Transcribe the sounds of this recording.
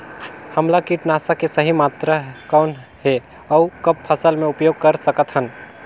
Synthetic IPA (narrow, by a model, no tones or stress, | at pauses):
həmlakiʈnaːsakesəɦimaːt̪ɾakaːnɦe | əʊkəppʰəsəlmẽʊpjoːɡ̚kəɾsəkət̪ɦən